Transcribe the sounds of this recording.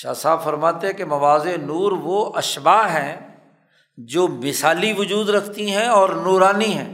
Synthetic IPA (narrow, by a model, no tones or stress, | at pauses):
ʃa̰ːsaːbfɐɾmaːt̪ẽɦɛ̃kemɐʋaːzenuːɾʋoʔɐʃbaːɦɛ̃ | d͡ʒoːmɪsaːliʋʊd͡ʒuːd̪ɾɐkʰt̪iɦɛ̃ɔːɾnoːɾaːniɦɛ̰̃ː